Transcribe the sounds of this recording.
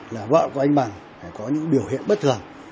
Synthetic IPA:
laː˨˩va̰ː˧˨wku˨˧ʔa˧ŋ̟ɓa˨˩ŋ | faː˧˩jkɔ˨˦ɲɨ̰˧˥ŋɓi˧˩əwhḭ˧˨ənɓə˦˥t̚t̪ʰɨ˨˩əŋ

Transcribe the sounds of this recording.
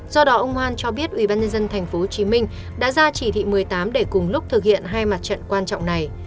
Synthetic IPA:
zɔ˧ɗɔ˨˦ʔə˧wŋ͡mhwaː˧nt͡ɕɔ˧ɓi˦˥ət̚ʔwi˧˩ɓaː˧nɲə˧nzə˧nt̪ʰa˨˩jŋ̟fo˨˦ho˨˩t͡ɕi˨˦mï˧ŋ̟ | ɗa̰ː˧˥zaː˧t͡ɕi˧˩t̪ʰḭ˧˨mɨ˨˩əjt̪aː˨˦mɗe˧˩kʊ˨˩ŋ͡mlʊ˦˥k͡p̚t̪ʰɨ˨˩k̚hḭ˧˨ənɦaː˧jma˨˩t̚t͡ɕə̰˧˨nkwaː˧nt͡ɕɔ̰˧˨wŋ͡mna˨˩j

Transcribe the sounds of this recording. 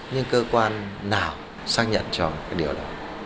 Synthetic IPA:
ɲɨ˧ŋkəː˧kwaː˧nːaː˨˩w | saː˦˥k̚ɲə̰˧˨nt͡ɕɔ˧kaː˦˥k̚ɗi˨˩əwɗɔ˨˦

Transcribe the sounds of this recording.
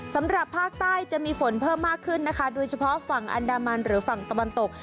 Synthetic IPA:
sa˩˦mɾa˨˩pʰːaː˥˩k̚t̪aː˥˩jt͡ɕa˨˩ʔmiː˧fo˩˦npʰɤː˥˩mːaː˥˩kʰːɯ˥˩nːa˦˥kʰa˦˥doː˧jt͡ɕʰa˧pʰɔ˦˥fa˨˩ŋʔa̰˧ndaː˧ma˧nɾɯː˩˦fa˨˩ŋt̪a˧wa˧nt̪o˨˩k̚

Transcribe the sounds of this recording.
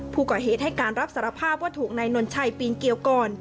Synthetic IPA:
pʰuː˥˩kɔː˨˩ɦeː˨˩t̪̚ha˥˩jkaː˧nɾa˦˥p̚sa˩˦ɾa˧pʰaː˥˩p̚waː˥˩t̪ʰuː˨˩k̚na˧jno˧nt͡ɕʰa˧jpiː˧nki˧əwkɔː˧˩n

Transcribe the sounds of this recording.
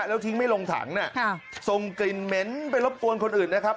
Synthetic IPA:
lɛː˦˥wt̪ʰi˦˥ŋma˥˩jlo˧ŋt̪ʰa̰ː˩˦ŋni˥˩ɐ˧so˧ŋkli˧nme˦˥np̬a˧jlo˦˥p̚ku˧ənkʰo˧nʔɯː˨˩nːa˦˥kʰa˦˥p̚

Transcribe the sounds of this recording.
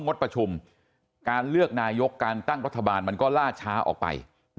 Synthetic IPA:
ŋo˦˥t̪̚pɾa˧t͡ɕʰu˧m | kaː˧nlɯ˥˩ək̚naː˧jo˦˥kːaː˧nt̪a˥˩ŋɾa˦˥t̪ʰːa˧baː˧nma˧nkɔː˥˩laː˥˩t͡ɕʰaː˦˥ʔɔ̰ː˨˩k̚pa̰˧j

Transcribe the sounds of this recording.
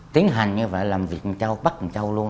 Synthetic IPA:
t̪i˨˦əŋɦa˨˩jŋ̟ɲɨ˧və̰˧˨jlaː˨˩mvi˨˩ək̚t͡ɕa˧wɓa˦˥t̚t͡ɕa˧wlu˧ə

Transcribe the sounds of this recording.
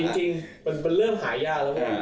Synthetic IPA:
i˧ŋt͡ɕi˧ŋma˧npe˧nlɤː˥˩mɦaː˩˦jaː˧˩k̚la˦˥ka˥˧˩

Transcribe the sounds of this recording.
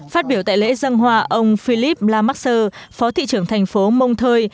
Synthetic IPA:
faː˦˥t̚ɓi˧˩əwt̪a̰ː˧˨jlḛ˧˥zə˧nɦwaː˧˩ʔə˧wŋ͡mfi˧li˦˥p̚laː˧ma˦˥k̚səː˧fɔ˨˦t̪ʰḭ˧˨t͡ɕɨ˧˩əŋt̪ʰɛ˨˩jŋ̟fo˨˦mə˧wŋ͡mt̪ʰəː˧j

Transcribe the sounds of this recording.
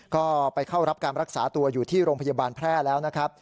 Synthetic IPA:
kɔː˥˩pa˧jkʰa˥˩wɾa˦˥p̚kaː˧nɾa˦˥k̚sa̰ː˩˦t̪u˧ɐjuː˨˩t̪ʰiː˥˩ɾoː˧ŋpʰa˧jaː˧baː˧npʰɾɛː˥˩lɛː˦˥wna˦˥kʰɾa˦˥p̚

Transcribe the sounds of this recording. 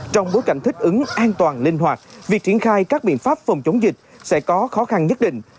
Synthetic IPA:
t͡ɕɔ˧wŋ͡mɓo˨˦jka˧˩jŋ̟t̪ʰï˦˥k̟̚ʔɨ˨˦ŋʔaː˧nt̪waː˨˩nlï˧ŋ̟hwaː˨˩t̚vi˨˩ək̚t͡ɕi˧˩ənxaː˧jkaː˦˥k̚ɓḭ˧˨ənfaː˦˥p̚fə˨˩wŋ͡mt͡ɕə˨˦wŋ͡mzï˨˩k̟̚sɛ̰˧˥kɔ˨˦xɔ˨˦xa˧nɲə˦˥t̚ɗḭ̈˧˨ŋ̟

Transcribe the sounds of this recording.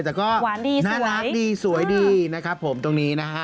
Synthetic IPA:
jt̪ɛː˨˩kɔː˥˩˦diː˧naː˥˩la˦˥kdiː˧su˩˦ə˦jdiː˧na˦˥kʰɾa˦˥pʰːo˩˦mt̪o˧ŋniː˦˥na˦˥kʰa˦˥

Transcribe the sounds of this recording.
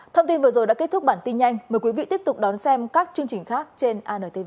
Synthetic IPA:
t̪ʰə˧wŋ͡mt̪i˧nvɨ˨˩zo˨˩jɗa̰˧˥ke˦˥t̪̚ʰʊ˦˥k͡p̚ɓaː˧˩nt̪i˧nɲa˧jŋ̟məː˨˩kwi˨˦vḭ˧˨t̪əp̚t̪k͡p̚ɗɔ˨˦nsɛ˧mkaː˦˥k̚t͡ɕɨ˧əŋt͡ɕï˨˩ŋ̟xaː˦˥k̚t͡ɕe˧nʔaː˧nəː˨˩t̪ʰe˧ve˧

